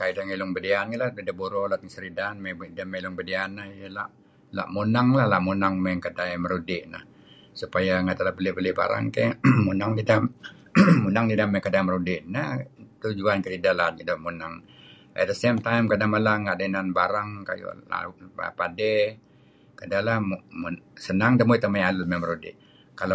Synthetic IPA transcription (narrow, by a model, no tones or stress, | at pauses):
kajidaŋelʊŋbədianɡəladidabuɾolat̪iŋsəɾidanmebdamelʊŋbədianːahijəla | la̰ʔmunaŋlahlaʔmunaŋmɛŋkadaməɾudɪʔna̰h | supajaŋat̪alahbəlebəliba̰ɾa̰ŋkemunaŋdida | munaŋdidamɛŋkadaiməɾudɪʔnaht̪ud͡ʒuankəɾidalad͡ʒidoʔmunaŋʔɛ̰t̪̚dəsemt̪ajmkadamalaŋɡaʔdananbaɾaŋka̰jṵa̰pa̰padɛ | kədalah | sənaŋdəmoit̪əmajalut̪̚maməɾudɪ̰ʔ | kalo